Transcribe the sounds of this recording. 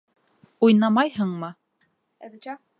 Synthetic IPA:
ujnɑmɑjɦɤɴmɤ

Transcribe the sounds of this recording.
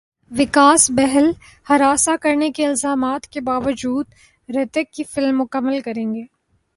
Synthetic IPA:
ʋɪkaːsbɛɦɛl | hɐɾaːsakɐɾnekeɪlzaːmaːt̪kebaːʋəd͡ʒuːd̪ | ɾɛt̪əkːifɪlmːʊkəmːəlkɐɾẽːŋɡeː

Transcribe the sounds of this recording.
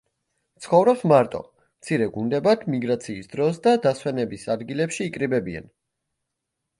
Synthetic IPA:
t̪sʰχɔvɾɔpsmaɾt̪ʼɔ̰ | mt̪sʰiɾɛɡund̪ɛbat̪ʰmiɡɾat̪sʰiːsd̪ɾɔsd̪ad̪aswɛnɛbisad̪ɡilɛpʃiːkʼɾibɛbia̰n

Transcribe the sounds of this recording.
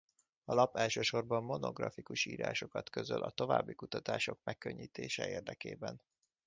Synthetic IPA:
ɒlɒpɛlʃøːʃo̞rbɒmːo̞no̞ɡrɒfikuʃiːɾa̰ːʃo̞kɒt̪kø̞zølʔɒt̪o̞vaːbːikut̪ɒt̪aːʃo̞k̚mɛkːøɲːiːt̪eːʃɛeːrd̪ɛkeːbɛn

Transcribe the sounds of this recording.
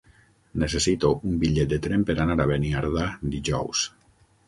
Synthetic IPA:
nesesit̪oumbiʎet̪̚d̪et̪ɾempeɾanaɾaβeniaɾðad̪iʒɔ̰ws

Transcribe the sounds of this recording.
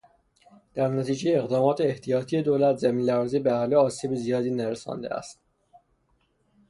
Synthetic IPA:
d̪̥æɾnæt̪ʰiːd͡ʒejeːɣd̪ɒːmɒːt̪ʰeːht̪ʰijɒːt̪ʰije̞d̪oːlæt̪zæmiːnlæɾziːbeæhɒːleɒːsiːbizijɒːd̪iːnæɾesɒ̰ːnd̪eæ̰st̪

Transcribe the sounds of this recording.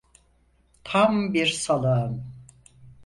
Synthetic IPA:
t̪ʰambiɾsalˠaɯm

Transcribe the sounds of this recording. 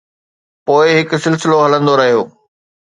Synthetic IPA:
poːɪɦɪkʊ̆sɪlsɪloɦɐlə̃nd̪oɾɐɦijoː

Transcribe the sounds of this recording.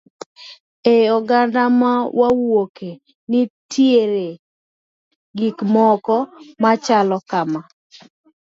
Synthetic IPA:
eɔɡandamawʔawoke | nɪtjeɾe | ɡikmɔkɔmat͡ʃalɔkama

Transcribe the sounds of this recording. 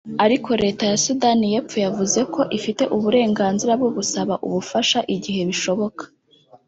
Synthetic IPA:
aɾikʰo̞ɾe̞ːtajasudanije̞ːpp͡fojavuze̞kʰo̞ʔifite̞ʔuβuɾe̞ːŋɡaːnziɾab̚ɡoβusaβaʔṵβufaʃaʔiɟiɦe̞βiʃo̞βo̞kḁ

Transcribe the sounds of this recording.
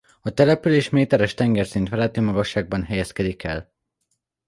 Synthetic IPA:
ɒt̪ɛlɛpyleːʃmeːt̪ɛɾɛʃt̪ɛŋɡɛrsint̪ʋɛlɛt̪yːmɒɡɒʃːaːɡ̚bɒnɦɛjɛskɛd̪ikʰɛ̰l

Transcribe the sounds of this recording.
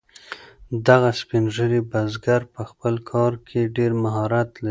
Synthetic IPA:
d̪aɣaspinʒəɾibazɡaɾpəxpəlkʰɑɾkʰeɖeɾmaɦɑɾat̪laɾi

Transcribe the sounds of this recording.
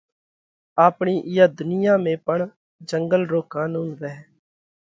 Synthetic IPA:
aːpɳiːʔɪjəd̪ʊnɪjãːmẽːpəɳ | d͡ʒəŋɡəlɾoːkãːnũːnʋɛːɦ

